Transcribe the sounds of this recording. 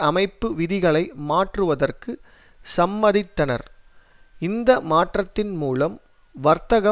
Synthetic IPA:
ɐmɐɪpːɯʋɪðɪɣɐɭɐɪmaːʈrɯʋɐðɐrkɯ | sɐmbɐðɪt̪ːɐnɐ̰ɾ | ɪnd̪ɐmaːʈrɐt̪ːɪnmuːlɐm | ʋɐɾt̪ɐɣɐ

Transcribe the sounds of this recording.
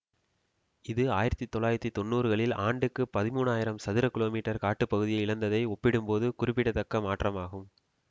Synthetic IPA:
ɪðɯaːjɪɾɐt̪ːit̪ːɔɭːaːjɪɾɐt̪ːit̪ɔnːuːɾɯɣɐɭɪlaːɳɖɯkːɯpɐðɪmuːnaːjɪɾɐmsɐðɪɾɐkɪloːmiːʈːɐɾkaːʈːɯpːɐɣɯðɪjɐɪɪɭɐnd̪ɐðɐɪɔpːɪɽɯmpoːðɯkʊɾɪpːɪɽɐt̪ːɐkːɐmaːʈrɐmaːɣɯm

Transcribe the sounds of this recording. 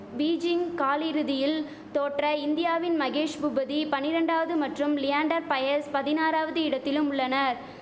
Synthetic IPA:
biːd͡ʒɪŋkaːlɪɾɯðɪjɪl | t̪oːʈrɐɪnd̪ɪjaːʋɪnmɐɣeːʂbʊbɐðipɐnːɪɾɐɳɖaːʋɐðɯmɐʈrɯmlɪjaːɳɖɐɾpɐjɐɾspɐðɪnaːɾaːʋɐðɯɪɽɐt̪ːɪlɯmʊɭːɐnɐɾ

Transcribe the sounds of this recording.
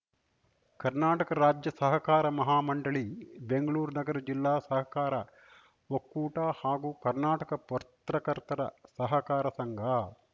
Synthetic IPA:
kɐɾnaːʈɐkɐɾaːd͡ʒjɐsɐɦɐkaːɾɐmɐɦaːmɐɳɖɐɭibeŋɡɐɭuːɾnɐɡɐɾɐd͡ʒilːaːsɐɦɐkaːɾɐ | okːuːʈaːhaːɡuːkɐɾnaːʈɐkɐpɐɾt̪ɾɐkɐɾt̪ɐɾɐ̰sɐɦɐkaːɾɐsɐŋɡʱaː

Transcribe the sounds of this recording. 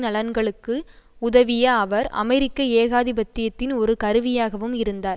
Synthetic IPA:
nɐlɐnɡɐɭɯkːɯʊðɐʋɪjɐːʋɐɾɐ̰mɛɾɪkːɐeːɣaːðɪbɐt̪ːɪjɐt̪ːɪnɔɾɯkɐɾɯʋɪjaːɣɐʋɯmɪɾɯnd̪aːɾ

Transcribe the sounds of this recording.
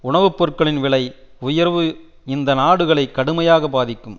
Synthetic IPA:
ʊɳɐʋɯpːɔɾkɐɭɪnʋɪɭɐɪ | ʊjɐɾʋɯ | ɪnd̪ɐnaːɽɯɣɐɭɐɪkːɐɽɯmɐjaːɣɐbaːðɪkːɯm

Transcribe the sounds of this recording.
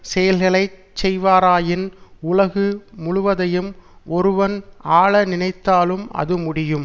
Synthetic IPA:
sɛjɐlɣɐɭɐɪt͡ʃːɛjʋaːɾaːjɪnʊlɐɣɯmʊɻʊʋɐðɐjɯmʔɔɾɯʋɐnaːɭɐnɪnɐɪt̪ːaːlɯmɐ̰ðɯmʊɽɪjɯm

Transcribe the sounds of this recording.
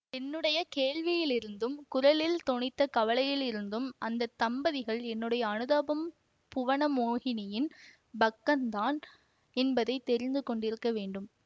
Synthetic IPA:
ɛnːɯɽɐjɐkeːɻʋɪjɪlɪɾɯnd̪ɯmkʊɾɐɭɪlt̪ɔɳɪt̪ːɐkɐʋɐɭɐjɪlɪɾɯnd̪ɯmʔɐnd̪ɐt̪ːɐmbɐðɪɣɐɭɛnːɯɽɐjɐːnɯðaːbɐm | pʊʋɐɳɐmoːɣɪnɪjɪn | bɐkːɐnd̪aːn | ɛnbɐðɐɪt̪ːɛɾɪnd̪ɯkɔɳɖɪɾɯkːɐʋeːɳɖɯm

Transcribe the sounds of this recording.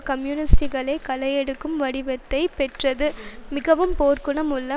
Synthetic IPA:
kɐmjunɪsʈiɣɐɭɐɪkɐlɐjɛɽɯkːɯmʋɐɽɪʋɐt̪ːɐɪpɛʈrɐðɯmɪɣɐʋɯmpoːɾkɯɳɐmʊlːɐ

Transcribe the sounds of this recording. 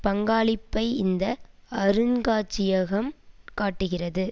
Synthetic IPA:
pɐŋɡaːɭɪpːɐɪɪnd̪ɐɐɾɯnɡaːt͡ʃːɪjɐɣɐmkaːʈːɯɣɪrɐðɯ

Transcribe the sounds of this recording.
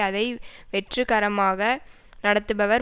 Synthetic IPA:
ɐðɐɪʋɛʈrɯkɐɾɐmaːɣɐ | nɐɽɐt̪ːɯbɐʋɐɾ

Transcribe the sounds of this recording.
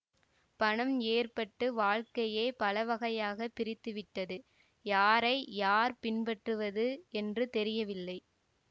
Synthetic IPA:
pɐɳɐmeːrpɐʈːɯʋaːɻkɐjeːpɐlɐʋɐɣɐjaːɣɐpːɪɾɪt̪ːɯʋɪʈːɐðɯ | jaːɾɐɪjaːɾpɪnpɐʈrɯʋɐðɯɛndrɯt̪ɛɾɪjɐʋɪlːɐɪ

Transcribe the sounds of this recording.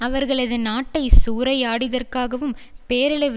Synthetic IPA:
ɐʋɐɾɣɐɭɐðɐnaːʈːɐɪsuːɾɐɪaːɽɪðɐrkaːɣɐʋɯmpeːɾɪɭɐɪʋ

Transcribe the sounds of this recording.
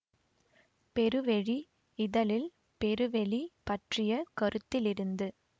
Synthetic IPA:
pɛɾɯʋɛɻi | ɪðɐlɪl | pɛɾɯʋɛɻipɐʈrɪjɐkɔɾɯt̪ːɪlɪɾɯnd̪ɯ

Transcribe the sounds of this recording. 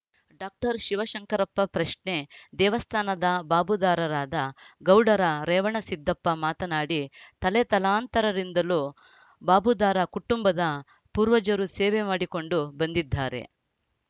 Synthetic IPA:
ɖaːk̚ʈɐɾʃiʋɐʃɐŋkɐɾɐpːɐpɾɐʂɳe̞d̪ɛːʋɐst̪ʰaːnɐd̪ɐbaːbud̪aːɾɐɾaːd̪ɐɡɐwɽɐɾɐɾɛːʋɐɳɐsid̪ːɐpːɐmaːt̪ɐnaːɽit̪ɐlet̪ɐlaːnt̪ɐɾɐɾind̪ɐluː | baːbud̪aːɾɐkuʈumbɐd̪ɐ | puːɾʋɐd͡ʒɐɾusɛːʋemaːɽiko̞ɳɖubɐnd̪id̪ʱːaːɾe̞̰

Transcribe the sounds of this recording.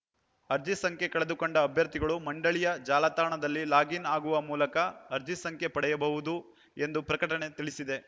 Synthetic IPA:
ɐɾd͡ʒisɐŋkʰe̞kɐɭe̞d̪ukoɳɖɐːbʱjɐɾt̪iɡɐɭumɐɳɖɐɭijɐd͡ʒaːlɐt̪aːɳɐd̪ɐlːilaːɡinaːɡuʋɐmuːlɐkɐːɾd͡ʒisɐŋkʰe̞pɐɽɛjɐbɐʋud̪u | e̞nd̪upɾɐkɐʈɐɳe̞t̪iɭisid̪e̞

